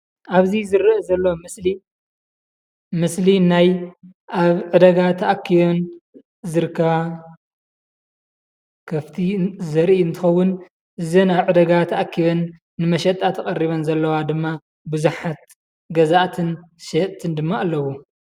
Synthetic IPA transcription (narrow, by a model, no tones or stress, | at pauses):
ʔaβzizɨɾɨʔzɐlːomɨsli | mɨslinaj | ʔaβʕɨd̪ɐɡat̪ʰɐʔakʰːijon | zɨɾkʰɐβa | kʰɐft̪ʰizɐɾʔiɨnt̪ʰɨxɐwːʊn | ʔɨzɐnaβʕɨd̪ɐɡat̪ʰɐʔakʰːijo̞nː | ɨmɐʃɐt̪ʼːat̪ʰɐkʼɐriβɐnzɐlːɐwad̪ɨmːa | bɨzuħat̪̚ | ɡɐzaʔt̪ʰɨn | ʃɐʔt̪ʰɨnd̪ɨmːaʔalːɐwu